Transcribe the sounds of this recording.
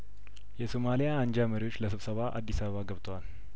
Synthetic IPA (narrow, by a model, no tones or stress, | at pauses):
jɛsomalijaːnd͡ʒaməɾiwo̞t͡ʃːləsɨβsəβaʔa̰d̪ːisaβəβaɡəβt̪ʰəwal